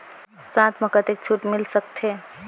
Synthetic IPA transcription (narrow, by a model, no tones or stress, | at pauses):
sãt̪ʰməkət̪ek̚t͡ʃʰuʈmilsək̚t̪ʰe